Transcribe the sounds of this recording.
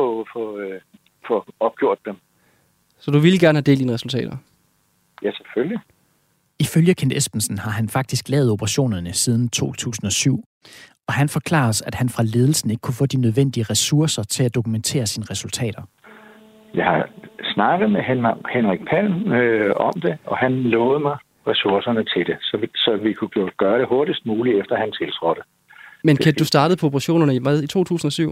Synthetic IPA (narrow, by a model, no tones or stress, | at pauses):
ɔfɔ | fɔɒ̽b̥̚ɡ̥jo̝ɐ̰d̥ːem | sɒ̽d̥uʋilɡ̥æɐnhæde̝̰ld̥iːnəʁɛsult͡sʰɛ̰ːɾɐ | jæsefølji | iføljəkʰen̰d̥esb̥n̩sn̩hɑ̈ɦænfɑ̈ɡ̥̚d̥isɡ̥lɛ̰ːð̞̩ˠob̥ʰəʁɑ̈ɕo̝̰ːnɐnəsið̞ˠn̩t͡sʰo̝̰ːt͡sʰṵːsn̩ɒ̽syʊ̰ | ɒ̽ɦænfɒ̽kʰlɑ̰̈ːsæd̥hænfʁɑ̈le̝ːð̞ˠl̩sn̩e̝ɡ̥kʰufɔ̰̽ːd̥inøð̞ˠʋen̰d̥iəʁɛsuɐsɐt͡sʰe̝læd̥o̝kument͡sʰe̝̰ːɐsiːnəʁɛsult͡sʰɛ̰ːd̥ɐ | jɑ̈ɪhɑ̈snɑ̈ɡ̥ð̩ˠmehenʁaɡ̥̚pʰæn | ɒ̽md̥e̝ɒ̽hænlɔ̽ːð̞̩ˠmɑ̈ɪ | ʁɛsuɐsɐnət͡sʰe̝ld̥e̝sɒsɒ̽ʋikʰu̥oɡ̥ɶːɐɾ̥eho̝ɐɾ̥isd̥̚muːliefd̥ɐhænt͡sʰe̝lsʰʁɔd̥ə | menkʰed̥usd̥ɑ̈ːd̥ð̩ˠpʰɒ̽ob̥ʰʁɑ̈ɕo̝̰ːnɐnəiʋæðˠit͡sʰo̝̰ːt͡sʰṵːsn̩ɒ̽syʊ̰